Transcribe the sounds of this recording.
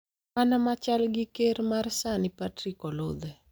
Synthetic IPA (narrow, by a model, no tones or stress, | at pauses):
manamat͡ʃalɡɪkeɾmarsanɪpatrikɔlod̪ɛ